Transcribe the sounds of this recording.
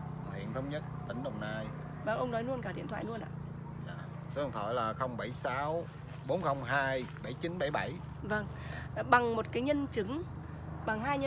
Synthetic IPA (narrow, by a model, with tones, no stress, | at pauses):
hwḭ˧˨ənt̪ʰə˨˦wŋ͡mɲə˦˥t̚t̪ï˨˦ŋ̟ɗə˨˩wŋ͡mnaː˧j | va˧˩ŋʔə˧wŋ͡mnɔ˨˦jnu˧ənkaː˧˩ɗḭ˧˨ənt̪ʰwa̰ː˧˨nu˧ənʔa̰ː˧˨ | ɲa̰ː˨˩ | sə˨˩t̪ʰɔ̰˧˨˩jlaː˨˩xə˧wŋ͡mɓa˧˩jsaː˨˦w | ɓo˨˦nxə˧wŋ͡mɦaː˧jɓa˧˩jt͡ɕi˨˦nɓa˧˩jɓa˧˩j | və˧ŋ | ɓa˨˩ŋmo˨˩t̚kaː˨˦jɲə˧nt͡ɕɨ˨˦ŋ | ɓa˨˩ŋɦaː˧jə˧